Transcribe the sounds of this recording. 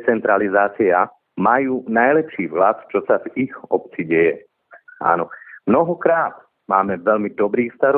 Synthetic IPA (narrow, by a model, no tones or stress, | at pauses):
t͡sɛnt̪ɾalizaːt͡sia | majuːnajlɛpʃiːvɦlat̪t͡ʃɔsavixɔp̚t͡siɟɛjɛ | a̰ːnɔmnɔɦɔkɾaːt̪ | maːmɛʋɛlmid̪ɔbɾiːxst̪aɾ